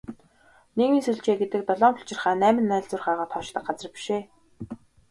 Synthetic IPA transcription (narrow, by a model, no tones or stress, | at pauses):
neɣmiːnsuɮt͡ɕeːɡet̪ɘ̆k̚t̪ɔɮɔːmpʊ̥ɬt͡ɕɪ̆rχæːnæːmɘ̆nːæːɮt͡sʊ̆ːrχaːʁɔːt̪χɔʃt̪ə̆k̚ɢat͡sə̆rpi̥ʃeː